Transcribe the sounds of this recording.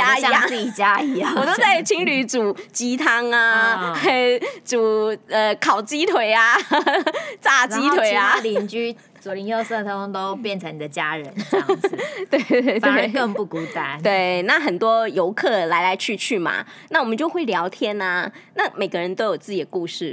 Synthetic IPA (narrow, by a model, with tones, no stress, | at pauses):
i˨˩t͡ɕja˦˥i˨˧˨wɔ˨˩t̪o˥ʊt͡sa˥˩ɪt͡ɕʰi˥ŋly˧˥t͡su˨˩t͡ɕi˧˥t̪ʰɑ˥ŋa˧ | t͡su˨˩ə˧kʰɑ˨˩ʊt͡ɕi˥t̪ʰwe˨˩ɪa˨ | t͡sa˥˩i˥t̪ʰwe˨˩ɪa˧˩li˧nt͡ɕy˥ | t͡su˨˩li˧˥ŋjo˥˧ʊsɤ˥˩t̪ʰə˧˥o˥ŋt̪o˥ʊpjɛ˥˩nt͡sʰɤ˧˦ŋni˨˩ə˦t͡ɕja˦ɻə˧˦na˥˩t̪we˥˧e˥˧ɪwe˥˧ɪkə˥˧ŋu˥˩ku˨˥t̪a˧˦nt̪we˥˩ɪna˥˩xə˨˩nt̪wɔ˦jo˧˦ʊkʰɤ˥˩la˧ɪla˧˥ɪt͡ɕʰy˥˧t͡ɕʰy˥˩ma̰˩ | na˥˩wɔ˨mə˦nt͡ɕjo˥˧ʊxwe˥˩ɪljɑ˧˥ʊt̪ʰjɛ˥na˨na˥˩me˨˩ɪɡə˦ɻə˧˦nt̪o˥ʊjo˨˩ʊt͡sɹ̩˥˩t͡ɕi˨˩d̪ə˦ku˥˧ʂɻ̩˥˩